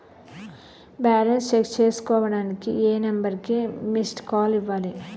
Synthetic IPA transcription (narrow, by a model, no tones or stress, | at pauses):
baːlɐnst͡ʃekst͡ʃe̞ːsu̥kɔːʋɐɽaːnikiʔeːnɐmbɐɾkimisʈkaːliʋːaːli